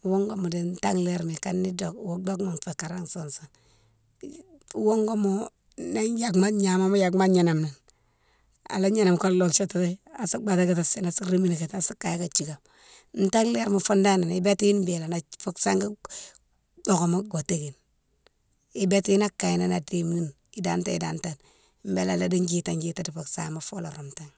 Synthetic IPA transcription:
wo˦ŋɡo˦mu˨de˨n˦ta˦ŋle˦ɾmi˨ka˦nːi˦do˨kwo˦ɡ͡bo˦kma˨nfe˨ka˨ɾa˦ŋso˨nso˨n˦ | wo˦ŋɡo˦mo˨ | na˦nja˨kma˦ɲa˨ma˦ma˦ja˨kma˦ɲa˨na˨mna˨n | a̰˨la˦ɲe˦na˨mko˦llo˨kt͡ʃo˦ta˦ta˦a˨su˦ɡ͡ba˨ta˦ɡa˨ta˨si˦na˨su˦ɾi˦mi˦na˨ke˨ta˨su˦kːa˨jka˨t͡ʃi˨ɡa˨m | n̩˦ta˦ŋle˦ɾma˨fo˦nda˦na˨ni˦be˦ti˦ji˦nbe˨la˨na˨fo˦ksa˦ŋɡa˦ | bo˨ko˨ma˦ɡo˨te˦ɡi˨n | i˦be˦tji˦na˦kːa˨ji˨na˦na˨de˨mni˦n | i˦da˨˦nta˦i˨da˨nta˨n | m˦be˦la˨la˦di˦ɲd͡ʒi˦ta˨d͡ʒi˦ta˦di˨fo˨ksa˨˦˨ma˨fo˦la˨ɾo˨mta˦ŋ

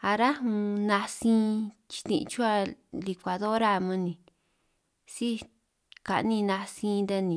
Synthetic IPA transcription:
a˧ɾa˦hũ˧nã˧sĩ˦t͡ʃi̥˧t̪ḭ̃˧t͡ʃu˦a˧li˧kʷa˧ðo˦ɾa˧˨mã˧nĩ˨ | si˦ | ka̰˨ʔnĩ˧nã˧sĩ˧nd̪a˧nĩ˨

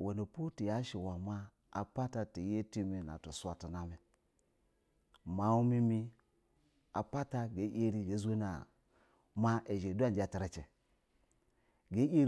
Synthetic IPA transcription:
we˨no˨pu˦ti˨ja˦ʃi˨wa˨maː˦˨ | pa˦ta˨ti˨˦je˦ti˦mi˨na̰˨tu˨sʷa˨ti˨na˨me˨ | ma˨˦wu˦mi˦mi˦ | a̰˨pa˦ta˦ɡe˨˦ʔe˦ɾi˦d͡ʒe˨˦ze˦na˨ | ma˦ʔe˨ʒe˨du˦a˦˨d͡ʒa˨ta˨ɾe˨t͡ʃe˨ | ɡe˦je˦ɾ

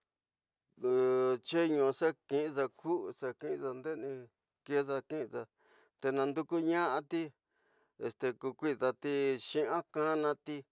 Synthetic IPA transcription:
t͡ʃe˦ɲũ˧se˦kĩ˧ʔĩ˦ʐa˧kʰu˦ʔse˧kĩ˦˧ʔt͡sa˧nd̪e˦nĩ˧ | ke˦sa˧kĩ˦˧t͡sa˧ | t̪e˧nã˧nd̪u˧ku˦ɲã˦ʔa˧t̪i˦ | ḛ˧˨st̪e˧ku˧kʷi˦˧t̪a˧t̪i˧ʃĩ˦ã˦kã˦nã˧t̪i˧

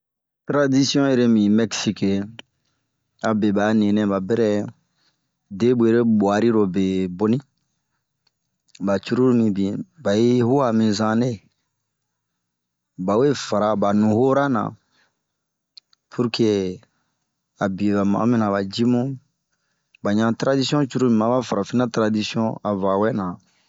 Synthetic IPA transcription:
t̪ɾa˦di˦si˦ɔ̃˦e˨ɾe˦mĩ˨mɛ˦ksi˦ke˨ | a˨be˨ba˨˦nĩ˨nɛ̃˦ba˨bɛ˦ɾɛ˦ | de˦bu˨e˨ɾe˦bwa˨ɾi˦ɾo˨be˨bo˦nĩ˦ | ba˨t͡ʃu˦ɾu˦ɾmĩ˨bĩ˨ba˨i˦ɦu˦a˨mĩ˨zã˦ne˦˨ | ba˨we˦fa˨ɾa˨ba˨nũ˨ho˦ɾa˦nã̰˨ | pʰu˦ɾke˦ | a˨bi˨ba˨ma̰˨˦mĩ˦nã˨ba˨d͡ʒi˦mũ˦ | ba˨ɲã˨tɾa˦di˦si˦ɔ̃˦t͡ʃu˦ɾu˦mĩ˨mã˨ba˦fa˨ɾa˨fi˦nã˦tɾa˨di˦si˦ɔ̃˦a˨va˨wɛ˦nã˨

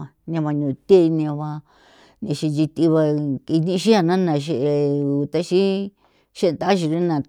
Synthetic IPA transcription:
a˧nẽ˧βa˧ɲũ˨t̪e˦˧nẽ˧βa˧ | nĩ˧ʃi˧d͡ʒi˧t̪i˧βa˧ki˧nĩ˦ʃi˦a˧nã˦nã˧˨ʃ̬i˧ʔe˧u˨t̪a˦ʃi˦ | ʃe˦˧t̪a˦ʃi˧ɾi˦nã˧

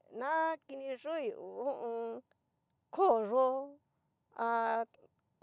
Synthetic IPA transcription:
nã˦ki˧nĩ˧ʐu˦i˧˨u˨ũ˦ʔũ˧ | kʰo˦˨ʐo˦ | a˧

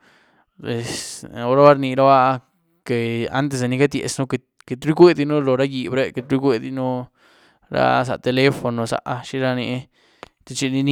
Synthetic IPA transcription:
e˨so˦ɾa˦ba˦ɾni˧ɾa˦ba˦ | ke˨a̰˦nt̪̬e˧se˨ni˧ka˦d̪jḛ˨sno˦ke˧ | ke˧t̪ɾi˦ɡʷe˦d̪i˧no˦lo˨ɾa˦ji˨bɾe˦ke˧t̪ɾi˦ɡʷe˧d̪i˧no˦ | ɾa̰˦s̬a̰˨t̪e˧le˦fo˨˧no˨sa̰˨ʔʃi˦ɾa˦ni˧˦ | t̪e˧t͡ʃi˧ni˧ni˦

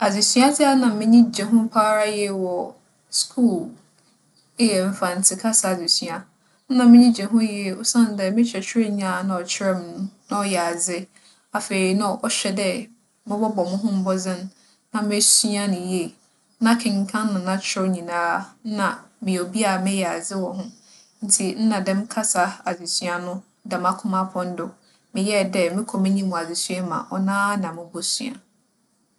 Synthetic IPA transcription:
a˨d͡ze˨si˦a˦d͡zɪ˦a˦nã˨mɪ̃˦ɲĩ˦d͡ʑɛ˨ɦʊ̃˦m˦pʰaː˦ɾa˦jɛ˦wɔ˨ | skʰuː˦˨l | jɛ˨m̩˨fã˨n˨tʰɪ˦kʰa˦sa˨ze˨sɥa˨ | n̩˦nã˨mɪ̃˦ɲĩ˦d͡ʑɛ˨ɦʊ̃˦je˦˨ʊ˦sã˦n˨dɛ˨mɪ̃˦t͡ɕʰᶣɛ˨t͡ɕʰᶣɪ˦ɾe˦ɲ˦ã˦˨˦nã˨ɔ˨t͡ɕʰɪ˦ɾɛ˦m˨nʊ̃˦nã˦ɔ˦jɛ˨a˨d͡zɪ˦ | a˨fe˨ɾi˨nã˨ʔɔ˦ɕᶣɛ˨dɛ˦ | mɪ̃˦bɔ˦bɔ˨mʊ̃˦ɦʊ̃˦m̩˦bɔ˦d͡zɪ̃˦nː | ã˨mɪ˦sɥa˦nʊ̃˨je˦˨ | nã˦kʰɪ̃˨ŋ˨kʰã˦nː˦ʊ̃˨nã˦t͡ɕʰᶣɪ˦ɾɔ˦ɲĩ˨nãː˦nã˨mɪ̃˨o˨bi˦a˨mɪ̃˦jɛ˨a˨d͡zɪ˦wɔ˨ɦʊ̃˦ | n̩˦tʰi˨n̩˦nã˨dɛ̃˦m˦kʰa˦sa˨a˨d͡zi˨sɥa˨nʊ̃˦ | dɛ˨mã˦kʰʊ̃˦mã˦pʰɔ̃˦n̩˦dʊ˨ | mɪ̃˨jɛ˦dɛ˦mɪ̃˦kʰɔ˨mɪ̃˦ɲĩ˦mũ˨a˨zi˨sɥɛ˦mã̰˨ʔɔ˨nãː˦nã˨mɪ̃˦bɔ˦sɥa̰˨

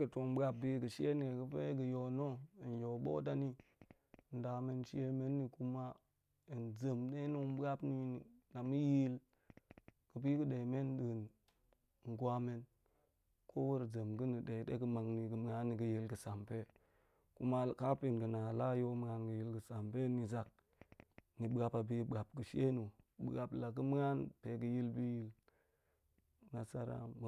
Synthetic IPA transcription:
ɡə˨to˨mba˦b̚bi˦ɡə˨ʃi˦e˦ni˨e˨ɡə˦pe˦ɡə˨jo˨no˦i˨n˨jo˨ɓo̰˦da˦ni˦˨ | n̩˨da˨me˦nʃi˦e˦me˦nːi˨ku˦ma˦ | i˨nd͡zə˨mde˦nu˦m˦ba˦pni˦ni˨na˨mə˦ji˦l | ɡ̥ə˨b̬i˦kə˦ɗe˨me˦n˦ɗə˨n˨ | ŋ˨ɡwʷa˦me˦n | kʰo˦wu˦ɾd͡ʒə˨mɡə˦ni˨ɗe˨dḛ˦ɡə˦ma˨ŋni˨ɡə˨m˨˦ŋa˦nːi˨ɡə˨ji˦lɡə˨sa˨mpe˦ | ku˦ma˦˨ka˦pi˨nɡə˨na˨la˦jo˦m˦ŋa˦nɡə˨ji˦lɡə˨sa˨mpe˦ni˨za˨k̚ | ni˨bɡa˨pa˨bi˦ba˨p̚ɡɨ˨ʃe˦nu˨ɓɡa˨pla˨k̬ə˦m˦ŋa˦npe˨ɡə˨ji˦lbi˦ji˦l | na˨sa̰˦ɾa̰˦m˨

